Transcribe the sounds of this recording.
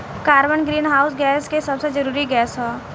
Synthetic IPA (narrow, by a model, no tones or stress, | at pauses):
kaːɾbənɡɾiːnɦaːʊsɡɛːskesɐbsed͡ʒɐɾuːɾiɡɛːsɦõː